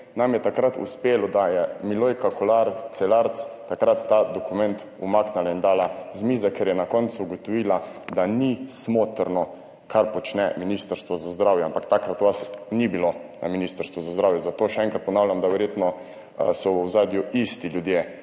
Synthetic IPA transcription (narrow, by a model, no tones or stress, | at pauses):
namjɛt̪akɾat̪ṵspeːlɔd̪ajɛmilojkakɔlaɾsɛlaɾt̪st̪akɾat̪ːad̪ɔkumɛnt̪ | umaːknalaind̪aːlazmiːzakeɾjɛnakɔnt̪suːɡɔt̪ɔʋiːlad̪anismoːt̪əɾnɔ | kʰaɾpɔt͡ʃnɛminist̪əɾst̪ʋɔzazd̪ɾawjɛampakt̪akɾat̪ɔʋasnibilona̰minist̪əɾst̪ʋɔzazd̪ɾaːwjɛzat̪oːʃɛɛŋkɾat̪pɔnaːwlʲjamd̪aʋɛɾjet̪nɔ | sɔwəwzaːd̪juist̪iljud̪jeː